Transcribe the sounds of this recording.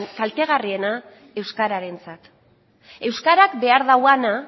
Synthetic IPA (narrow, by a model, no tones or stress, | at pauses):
kalt̪e̞ɣ̞arie̞na | e̞wskaɾaɾe̞nt͡sat̪ | e̞wskaɾakbe̞aɾðawana